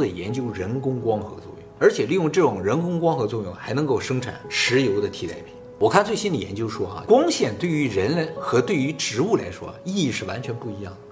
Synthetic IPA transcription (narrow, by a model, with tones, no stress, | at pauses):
d̪ə˨˩jɛ̰˧˥nt͡ɕjo˥ʊɻə˧˥nkʊ˥ŋkwɑ˥ŋxɤ̰˧˥t͡swɔ̰˥˧jʊ˩˥˩ŋə˞˧˥t͡ɕʰjɛ˨˩li˥˧jʊ˥˧ŋʈ͡ʂɤ˥˩ʈ͡ʂʊ˨˩ŋɻə˧˥nkʊ˥ŋkwɑ˥ŋxɤ˧˥t͡swɔ˥˧jʊ˥˩ŋxa˧˥ɪnɤ˧˥ŋko˥˩ʊʂɤ˥ŋʈ͡ʂʰa̰˨˩˦nʂɻ̩˧˥jo˧˥ʊd̪ə˧t̪ʰi˧˥t̪a˥˩ɪpʰi˨˥˦wɔ˨˩kʰa˥˧nt͡swe˥˩ɪɕi˥nd̪ə˨˩jɛ̰˧˥nt͡ɕjo˥ʊʂwɔ˥ɐ̰˧kwɑ˥ŋɕjɛ˥˩nt̪we˥˩y˧˥ɻə˧˥nlxɤ˧˥t̪we˥˩ɪy˧˥ʈ͡ʂɻ̩˧˥u˥˩la̰˧˥ɪʂwɔ̰˥˧i˥˧i˥˧ʂɻ̩˥˩wa˧˥nt͡ɕʰɥɛ˧˥npu˥˩i˧˥jɑ˥˩ŋd̪ə˩